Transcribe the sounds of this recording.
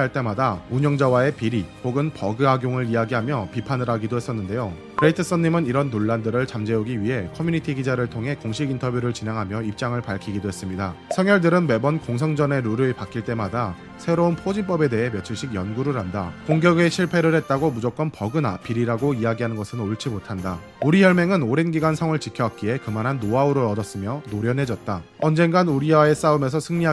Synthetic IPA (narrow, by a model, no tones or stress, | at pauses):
aɭt͈e̞madauɲʌŋd͡ʑawae̞piɾipoɡɯnpʌɡɯɦaɡjoŋɯɾiaɡiɦamjʌpipʰanɯɾaɡidoɦe̞s͈ʌnːɯnde̞jo | kɯɾeitʰɯs͈ʌnːimɯniɾʌnːoɭːandɯɾɯɭt͡ɕamd͡ʑe̞uɡiɥiɦe̞kʰʌmjuɲitʰiɡid͡ʑaɾɯɭtʰoŋɦe̞koŋɕʰiɡintʰʌbjuɾɯɭt͡ɕineŋɦamjʌip̚t͡ɕ͈aŋɯɭpaɭkʰiɡidoɦe̞s͈ɯmɲidasʰʌŋjʌɭdɯɾɯnwe̞bʌnkoŋs̬ʰʌŋd͡ʑʌne̞ɾuɾɯepak͈iɭt͈e̞mada | sʰe̞ɾounpʰod͡ʑinp͈ʌbe̞de̞ɦe̞mjʌt͡ɕʰiɭɕ͈ʰiɡjʌnɡuɾɯɾandakoŋɡjʌɡe̞ɕʰiɭpʰe̞ɾɯɾɦe̞t̚t͈aɡomud͡ʑok͈ʌnpʌɡɯnapiɾiɾaɡoiaɡiɦanɯnɡʌsʰɯnoɭt͡ɕ͈imotʰanda | uɾiçjʌɭme̞ŋɯnoɾenɡiɡansʰʌŋɯɭt͡ɕikʰjʌwak̚k͈ie̞kɯmanɦanːoauɾoʌdʌs͈ɯmjʌnoɾjʌnɦe̞d͡ʑʌt̚t͈a | ʌnd͡ʑe̞nɡanuɾiae̞s͈aumes̬ʰʌsʰɯŋɲi